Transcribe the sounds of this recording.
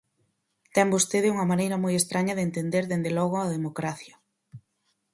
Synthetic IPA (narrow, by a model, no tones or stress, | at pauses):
t̪ɛmbost̪eðɪuŋɐmanejɾɐmojest̪ɾaɲɐðent̪end̪eɾðend̪elɔɣʊɐðemokɾaθjɐ